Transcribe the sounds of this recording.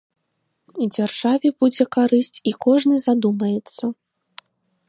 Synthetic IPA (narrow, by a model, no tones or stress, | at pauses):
id͡zʲarʐ̥avʲɛbud͡zʲɛkaɾɨsʲt͡sʲikɔʐnɨzad̪umɐjɛt̪sːɐ